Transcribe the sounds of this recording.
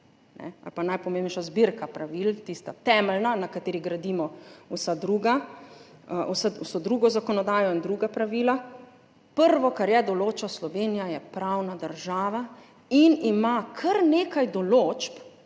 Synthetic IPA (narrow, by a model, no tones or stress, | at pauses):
nɛ̰a̰lpanajpɔmeːnnɛjʃazbiɾkapɾaʋilt̪ist̪at̪ɛːmɛlnanakat̪eːɾiɣɡɾad̪iːmɔwsad̪ɾuːɡa | wsausod̪ɾuːɡɔzakɔnɔd̪aːjɔind̪ɾuɡapɾaʋiːla | pəɾʋɔkaɾjɛd̪ɔloːt͡ʃaslɔʋeːnijajɛpɾawnad̪əɾʒaːʋa | inimakʰɐɾneːkajd̪ɔlot͡ʃp